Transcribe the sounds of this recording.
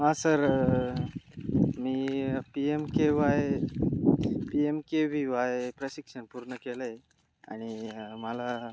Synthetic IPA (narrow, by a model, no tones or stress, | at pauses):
ãsəɾ | miːpiemkeʋaj | piemkeʋiʋajpɾəɕikʂənpuɾɳəkeləj | a̰ɽ̃iməla